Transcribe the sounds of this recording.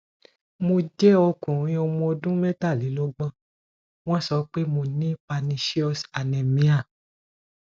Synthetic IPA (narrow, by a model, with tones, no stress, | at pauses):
mo˧d͡ʒɛ˦ɔ˧kũ˨ɾ̃ĩ˦ɔ˧mɔ̃˧dũ˦mɛ̃˦ta˦˨li˨˦lɔ˦ɡ͡bã˧˦ | w̃ɔ̃˦˨sɔ˨˦k͡pe˦mo˧nĩ˦pa˧nĩ˧ʃi˦ɔ˧sa˨nɛ̃˨mĩ˦a˦˨